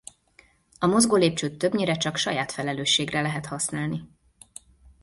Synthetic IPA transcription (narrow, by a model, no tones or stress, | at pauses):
ɒmo̞zɡoːleːp̚t͡ʃøːt̪ːø̞bɲiɾɛt͡ʃɒkʃɒjaːt̪fɛlɛløːʃːeːɡrɛlɛɦɛt̪hɒsnaːlni